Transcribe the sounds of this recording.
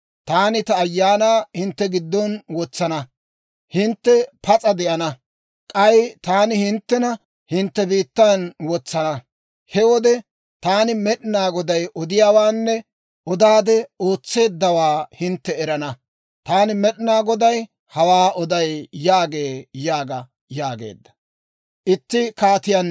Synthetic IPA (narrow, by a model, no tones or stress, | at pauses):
t̪aːnɪt̪ɐːjːaːnaːhɪnt̪ːɛɡɪd̪ːɔnwɔt͡sːɐnɐ | hɪnt̪ːɛpɐt͡sʼɐd̪ɪʔɐnɐ | kʼɐjt̪aːnɪhɪnt̪ːɛnɐ | hɪnt̪ːɛbiːt̪ːanwɔt͡sːɐnɐ | hɛwɔd̪ɛ | t̪aːnɪmɛɗɪnaːɡɔd̪ɐjʔɔd̪ɪjaːwaːnːɛ | ʔɔd̪aːd̪ɛoːt͡sːe̞ːd̪ːɐwaːhɪnt̪ːɛɛɾɐnɐ | t̪aːnɪmɛɗɪnaːɡɔd̪ɐj | hɐwaːɔd̪ɐjjaːɡe̞ːjaːɡɐ | jaːɡḛːd̪ːɐ̥ | ʔɪt̪ːɪkaːt̪ɪjan